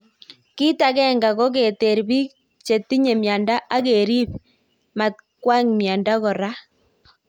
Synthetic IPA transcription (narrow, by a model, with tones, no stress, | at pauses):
ki˦ta˨kɛ˦ŋɡa˨kɔ˦ɡe˨te˨ɾbi˦ | t͡ʃe˨ti˦ɲe˨mja˨nda˦ʔa˦ɣe˨ɾi˦p | ma˨t | kwa˦ŋmja˨nda˦ɣɔ˨ɾa˦